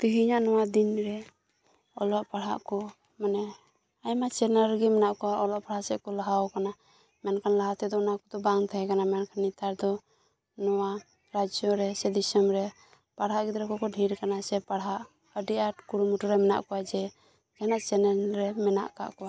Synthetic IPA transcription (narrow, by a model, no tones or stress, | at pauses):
t̪iɦiɲaʔnɔwad̪inɾɛ | ɔlɔʔpaɽɦa̰ʔkɔ | manɛ | ajmat͡ʃɛnalɡɛmɛnaʔkɔwaʔɔlɔʔpaɽasɛʔkɔlaɦaɔkana | mɛnkʰanlaɦat̪ɛd̪ɔːnakɔd̪ɔbaŋt̪ʰaɛkanamɛnkʰanːit̪aɾd̪ɔ | nɔwa | ɾad͡ʒɔɾɛsɛd̪isəmɾɛ | paɽɦaʔɡid̪ɾɛkɔkɔɖʱiɾkanasɛpaɽɦaʔ | əɖiʔaʈkuɽumuʈɔɾɛmɛna̰ʔkɔwad͡ʒɛ | d͡ʒanaʔt͡ʃɛnɛlɾɛmɛna̰ʔka̰ʔkɔwa